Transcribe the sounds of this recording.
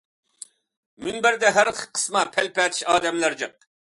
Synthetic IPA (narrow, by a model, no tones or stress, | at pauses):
mynbæɾd̪ɛɦæɾχə̥qʰːə̥smɑpʰɛlpɛt̪ʰiʃɑːd̪ɛmlæɾd͡ʒɨq̚